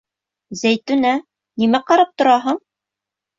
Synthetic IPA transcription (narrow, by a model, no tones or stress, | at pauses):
zæjt̪ʉ̆næ | nimæqɑɾɑp̚t̪ŏɾɑɦɤɴ